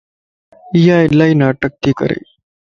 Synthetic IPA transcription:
ijaelːainaːʈək̚t̪iːkə̰ɾḛ

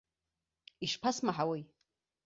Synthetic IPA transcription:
iʂpʰasmaħawej

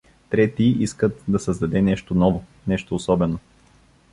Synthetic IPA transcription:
t̪ɾɛt̪iiskət̪̚d̪ɐsəzd̪ɐd̪ɛnɛʃt̪onɔvo | nɛʃt̪oːsɔbɛno

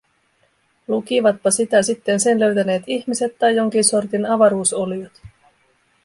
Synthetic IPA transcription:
lukiʋɑt̪̚pɑsit̪æsit̪ːe̞nse̞nlø̞ɥt̪æne̞ːt̪içmise̞t̪ːɑjːo̞ŋk̟inso̞rt̪inɑʋɑɾuːso̞lijot̪

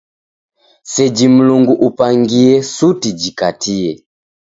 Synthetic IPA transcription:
sɛd͡ʒim̩luŋɡuʔupaŋɡiɛsutid͡ʒikatiɛ

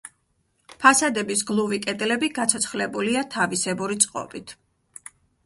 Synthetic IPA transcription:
pʰasad̪ɛbisɡlˠuvikʼɛd̪ʼlɛbiɡat̪sʰɔt̪sʰχlɛbuliat̪ʰavisɛbuɾit̪sʼqʼɔ̰bit̪ʰ

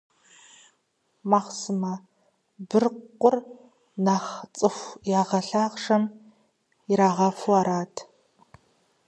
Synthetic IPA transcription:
maːχsɨmɐ | bɨrqʷʊr | naːχt͡sʼɨxʷjaːʁɐɬaːʁʂɐm | iɾaːʁɐfuaːɾaːtʰ

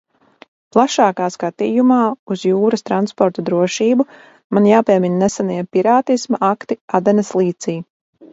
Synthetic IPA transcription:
plˠaʃaːkaːskat̪iːjumaːuz̥juːɾɐst̪ɾanspɔɾt̪ɔd̪ɾuɔʃiːbu | manjaːpʲiɛminnɛsaniɛpiɾaːt̪ismaʔakt̪iad̪ɛnɐslˠiːt̪siː

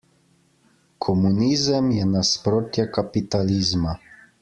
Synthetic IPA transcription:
kʰɔmuniːzəmjɛnaspɾoːt̪jakapit̪aliːzma

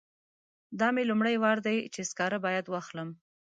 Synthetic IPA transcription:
d̪ɑmelumɽajwɑɾd̪ajt͡ʃeskɑɾabɑjad̪wɑxləm

